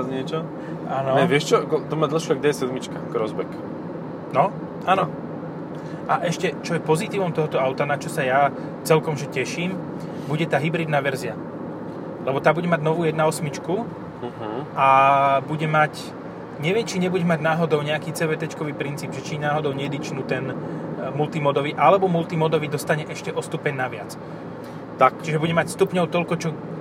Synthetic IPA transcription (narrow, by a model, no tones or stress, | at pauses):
azɲɪɛt͡ʃɔ | aːnɔɛʋɪɛʃt͡ʃɔɡd̪ɔmad̪l̩ʃiaɡ̚dɛjɛsɛd̪mit͡ʃkaɡɾɔzbɛk | nɔ | aːnɔ | ʔaʔɛʃcɛt͡ʃɔjɛpɔzit̪iːʋɔmt̪ɔɦɔt̪ɔaʊt̪anat͡ʃɔsaja | t͡sɛlkɔmʒɛcɛʃiːm | buɟɛt̪aːɦibɾid̪naʋɛɾzɪa | lɛbɔt̪aːbuɟɛmaɟnɔʋuːjɛd̪naɔsmit͡ʃku | ʔabuɟɛmac | ɲɛʋɪɛmt͡ʃiɲɛbuɟɛmaɟnaːɦɔd̪ɔʊɲɛakiːt͡sɛʋɛt̪ɛt͡ʃkɔʋiːpɾint͡siːbʒɛt͡ʃinaːɦɔd̪ɔʊɲɛd̪it͡ʃnut̪ɛnmult̪imɔd̪ɔʋiʔalɛbɔmult̪imɔd̪ɔʋid̪ɔst̪aɲɛʔɛʃcɛʔɔst̪upɛɲnaʋɪa̰t͡s | t̪akt͡ʃiʒɛbuɟɛmacst̪upɲɔʊt̪ɔlkɔt͡ʃɔ